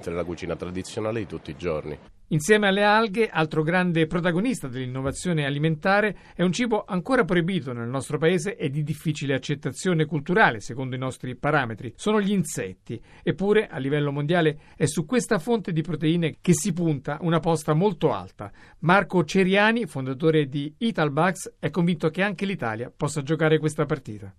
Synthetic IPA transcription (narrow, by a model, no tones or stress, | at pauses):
t̪ɾelakut͡ʃiːnat̪ɾad̪it̪sːjonaːled̪it̪ut̪ːiːd͡ʒo̰rnḭ | insjɛːmealːealɡeʔalt̪ɾoɡɾand̪epɾot̪̬aɡonist̪ad̪elːinːovat̪sːjoːnealiment̪aːɾe | ɛunt͡ʃiːboʔaŋkoːɾap̬ɾoibiːt̪onelnɔst̪ɾopaeːzeʔed̪id̪ifːiːt͡ʃileat͡ʃːet̪ːat̪sːjoːnekult̪uɾaːlesekond̪oinɔst̪ɾipaɾaːmet̪ɾisoːnoʎiːnsɛ̰t̪ːi | epːuːɾeʔa̰lːivɛlːomond̪jaːle | ɛsːukwest̪afont̪ed̪ipɾot̪eiːnekesːipunt̪aʔunapɔst̪amolt̪oa̰lt̪a̰ | markot͡ʃeɾjaːnifond̪at̪oːɾed̪iit̪albaksɛkːoɱvint̪okeaŋk̟elit̪a̰ːlja̰pɔsːad͡ʒokaːɾekwest̪apart̪ḭːt̪a